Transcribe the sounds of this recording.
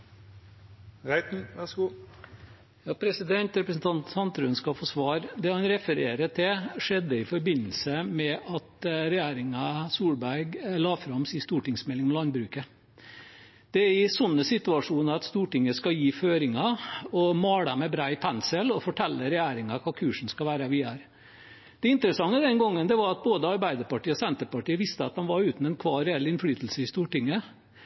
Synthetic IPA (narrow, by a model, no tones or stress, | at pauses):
ʁæɪt̪n̩ʋɛskuː | jɑːpʰɾɛsɪd̪ɛnt̪ɾɛpɾəsn̩t̪ʰɑnt̪sɑnt̪ɾʉːnskɑfoːsʋɑːɾd̪ɛhɑnɾɛfəɾeːɾət̪ʰɪʂɛd̪əɪfɔɾbɪnəl̩səmɛɑt̪ɾɛjæːɾɪŋɑsuːɽbæɾɡɭɑːfɾɑmsiːst̪uːʈɪŋsmɛlːɪŋmɔlɑnbɾʉːkə | d̪̥ɛæɾɪsɔnːəsɪt̪ʉɑʂuːnəɾɑt̪st̪uːʈɪŋːəskɑjiːføːɾɪŋɑɔmɑːɽəmæbɾɑːɪpʰɛnsəlɔfɔʈʰɛlːəɾɛjæːɾɪŋɑkʰɑːkʰʉːʂɳ̩skɑʋæːɾəʋɪæːɾ | d̪̥ɛɪnt̪əɾəsɑŋːəd̪ɛnɡɔŋːənd̪ɛʋɑɾɑt̪̚boːd̪əɑɾbæɪd̪əɾpɑʈiːəɔsɛnt̪əɾpɑʈiːəʋɪst̪əɑt̪̚d̪ɑmʋɑɾʉːt̪n̩ɛnkʰʋɑːɾɛɛlːɪnfɽyːt̪lsəɪst̪uːʈɪŋːə